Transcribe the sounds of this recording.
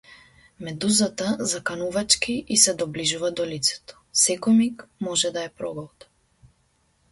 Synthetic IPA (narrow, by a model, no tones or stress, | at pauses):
mɛd̪uzat̪azakanuvat͡ʃkiʔisɛd̪ɔbliʒuvad̪ɔlit̪sɛ̥t̪ɔ̥sɛkɔmikmɔʒɛd̪aɛpɾɔɡɔlˠt̪